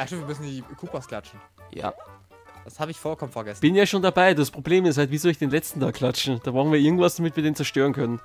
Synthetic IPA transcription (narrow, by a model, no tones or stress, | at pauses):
ʔaʃtɪmviːmʏsn̩diːkʰuːpaskl̥at͡ʃn̩ | ja̰ː | d̥ashaːbəɪçfɔlkʰɔmənfɛɐɡɛsb̥ɪnjaːʃoːndabaɪdaspʁ̥obleːmɪsthaltv̥iːzolɪçd̥eːnlɛt͡stn̩tʰaːkʰl̥at͡ʃn̩d̥aːbʁʊnviɐɪɐɡŋ̩tvasd̥amɪtviːɐdeːnt͡sɛɐʃtøːʁənkʰœnən